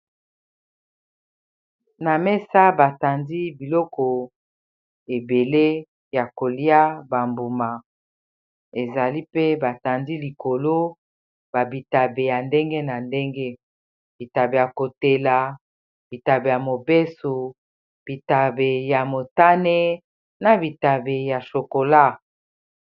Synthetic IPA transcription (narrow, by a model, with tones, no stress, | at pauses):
na˨mɛ˦sa˦ba˨ta˨ndi˦bi˨lɔ˦kɔ˨ | e˨be˨le˦ | ja˨ko˨li˦a˦ba˨mbu˨ma˨ | e˨za˨li˦pe˦ba˨ta˨ndi˦li˨ko˨lo˦ | ba˨bi˨ta˨be˨ja˨nde˦ŋɡe˦na˨nde˦ŋɡe˦ | b̥i˨ta˨be˨ja˨ko˨te˨la˨ | b̥i˨ta˨be˨ja˨mo˨be˦su˨ | b̥i˨ta˨be˨ja˨mo˨ta˦ne˦ | na˨bi˨ta˨be˨ja˨ʃo˨ko˨la˦˨